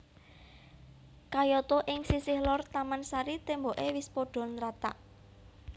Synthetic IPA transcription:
kajɔt̪oʔɪŋsisɪhlɔrt̪amansaɾit̪emboʔewɪspoɖ̥ɔ̤nɾat̪a̰ʔ

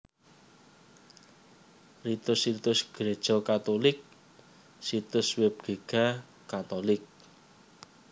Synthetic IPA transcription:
rit̪ʊsit̪ʊsɡ̥ɾed̥ʒ̥ɔkat̪olɪk̚ | sit̪ʊsweb̚ɡ̥e̤ɡ̥a̤ | kat̪olɪk̚

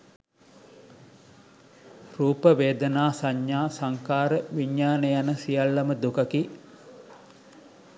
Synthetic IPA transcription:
ruːpəʋeːd̪ənaːsaɲːaːsaŋkaːɾəʋiɲːaːnejanəsijalːɐməd̪ukɐki

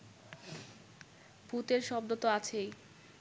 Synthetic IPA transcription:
put̪eɾʃɔb̚d̪ot̪oat͡ɕʰej

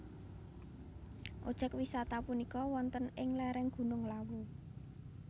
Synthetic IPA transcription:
ʔo̰d̥ʒ̥ə̤kwisat̪apunikɔwɔnt̪ənɪŋlɛɾɛŋɡ̥ṳnʊŋlawu

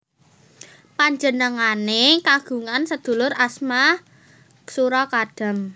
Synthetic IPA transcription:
paɲd͡ʒənəŋanekaɡ̥ṳŋansəd̪̥ṳlʊɾasma | suɾɔkaɖ̥a̤m

